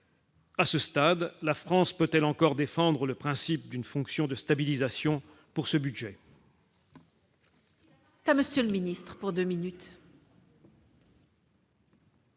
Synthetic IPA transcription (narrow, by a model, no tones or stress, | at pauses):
asəst̪ad̪lafχɑ̃spøt̪ɛlɑ̃kɔʁd̪efɑ̃d̪ʁələpχɛ̃sip̚d̪ynfɔ̃ksjɔ̃d̪əst̪abilizasjɔ̃ | puʁsəbyd̪ʒɛ | t̪aməsjələminist̪χə̥puʁd̪øminyt̪